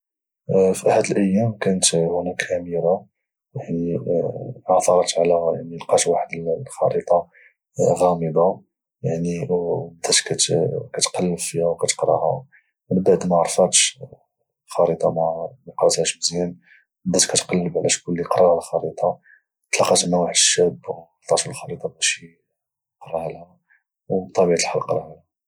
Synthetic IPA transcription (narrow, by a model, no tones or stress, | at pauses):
fiʔaħəd̪əlʔəjːæmkænət̪hʊnækʔæmiɾa | jaʕni | ʕɑθɑɾˤɑt̪ʕlæjaʕnilqɑt̪waħəd̪əllxɑ̰ɾit̪ˤɑ | ɣæməb̪a | jaʕnibəd̪æt̪kæt̪kæt̪qɑlːəfihæwkæt̪ə̥qɾˤɑ̰hæ̰ | mənbaʕd̪mæʕɑɾˤfæt̪ʃ | xɑɾit̪ˤɑmæməqɾˤɑt̪hæʃbzjæn | bəd̪ætkæt̪qɑlːəbʕlʔæʃkʊlːiqɾˤɑhælxɑɾit̪ˤɑ | t̪lɑqːɑt̪mæwaħəd̪əʃːæb | t̪ˤɑt̪əlxɑɾit̪ˤɑbæʃi | qɾˤɑhælhæ | wbt̪ˤːɑbiʕat̪əlħalqɾˤɑhælæ